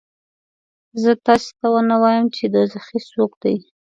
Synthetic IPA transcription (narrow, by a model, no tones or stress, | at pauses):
zət̪ɑse̥t̪awənawɑjəmt͡ʃed̪əzaxisokd̪aj